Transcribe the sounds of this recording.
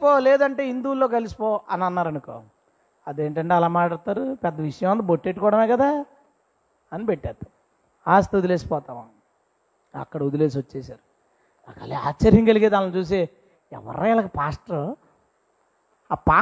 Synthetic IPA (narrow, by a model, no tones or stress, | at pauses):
poːlɛːd̪ɐɳʈe̞ːind̪uːlːoːkɐlisi̥pɔːʔɐnɐnːaːɾɐnuko̰ː | ɐd̪eːɳʈɐɳʈe̞ːɐlaːmaːʈaɽt̪aːɾupɛd̪ːɐʋiʂɐjɐ̃mʋɐnt̪ɐboʈːeʈːukɔːɽɐmeːkɐd̪aː | ɐnipeʈːaːt̪ːa | aːst̪ɐud̪uleːs̬i̥pɔːt̪aːʋa | ɐ̰kːɐɽɐud̪ule̞ːs̬ʋɐt͡ʃːeːsaːɾu | aka̰lea̰ːt͡ʃːɐɾjɐŋkɐliɡeːd̪aːnlɐt͡ʃuːs̬e | ɛ̰ʋɐ̰ɾɐjlɐkɐpaːsʈɐɾo | aːpaː